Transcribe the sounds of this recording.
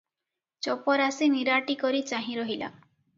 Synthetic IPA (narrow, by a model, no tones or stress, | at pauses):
t͡ʃɔpɔɾasiniɾaʈikɔɾit͡ʃaɦĩɾɔɦila̰